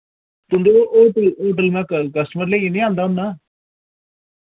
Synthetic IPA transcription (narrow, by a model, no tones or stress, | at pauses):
t̪ʊnd̪eʔoːʈəloːʈ̬əlmɛ̃ːkəkəsʈəməɾleːinĩːãːnd̪aːɦʊnːaː